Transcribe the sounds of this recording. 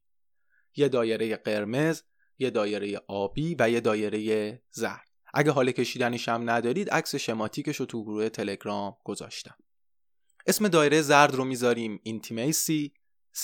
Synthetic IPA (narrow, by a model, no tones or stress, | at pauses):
jed̪ɒːje̞ɾe̞je̞ɢe̞ɾme̞z | je̞d̪ɒːje̞ɾe̞je̞ʔɒːb̥iːvæje̞d̪ɒːje̞ɾe̞je̞zæ̰ɾd̪̥ʔæ̰ɟeɦɒːlecʰe̞ʃiːd̪æneʃæmnæd̪ɒːɾiːd̪ʔæcse̞ʃe̞mɒːt̪ʰiːce̞ʃot̪ʰuɡoɾuːe̞t̪ʰe̞leɡɾɒːmɡ̥o̞zɒ̰ːʃt̪æm | ʔe̞sme̞d̪ɒːje̞ɾe̞jezæɾd̪romiːzɒːɾiːmint̪ʰimejsiː | s